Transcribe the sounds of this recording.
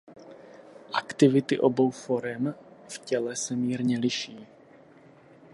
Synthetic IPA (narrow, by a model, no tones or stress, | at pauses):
ʔakt̪ɪvɪt̪ɪʔobo̞wfoɾɛmfcɛlɛsɛmiːɾɲɛlɪʃiː